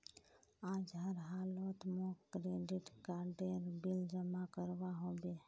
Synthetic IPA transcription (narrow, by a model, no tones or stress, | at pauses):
aːd͡ʒɦəɾɦaːloːt̪mõkɾeːɖɪʈkaːɾɖeɾbɪld͡ʒəmakəɾwaɦobe